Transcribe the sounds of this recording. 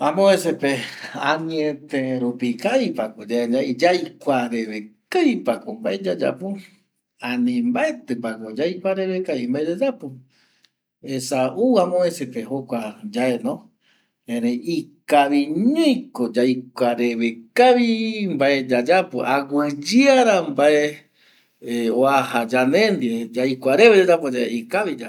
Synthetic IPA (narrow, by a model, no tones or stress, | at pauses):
ãmõesepeaɲĩẽt̪ẽɾupikaipakod͡ʒaed͡ʒaid͡ʒajkʷaɾeβekajpakombaed͡ʒad͡ʒa̰pu | ãnĩmbaet̪ɨpakod͡ʒajkʷaɾe̞βekaβimbaed͡ʒad͡ʒapo | esauamõesepehokʷad͡ʒaenõ | ẽɾejikaβiɲũkod͡ʒajkʷaɾeβekaβimbaed͡ʒad͡ʒapo̰ʔaɡʷɨd͡ʒɨaɾambae | oahad͡ʒanẽnd̪ied͡ʒajkʷaɾeβed͡ʒad͡ʒapod͡ʒaḛikaβid͡ʒa